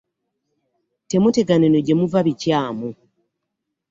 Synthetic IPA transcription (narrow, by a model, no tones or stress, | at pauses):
te̞mute̞ɡanenoɟe̞muvaβicaːmu